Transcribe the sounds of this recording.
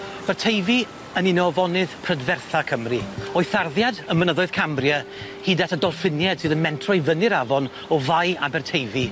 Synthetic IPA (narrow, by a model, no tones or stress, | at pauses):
b̥ɛrtʰejvi | əninɔvɔnɨð̥pʰr̥ədvɛrθakʰəmriɔɨθarðjadəmənəðɔɨð̥kʰamrjə | hiːdatʰədɔlˠfɪnjɛd̥sɨːðənmɛntʰrɔjvənɨɾavɔn | ɔvajabɛrtʰejvi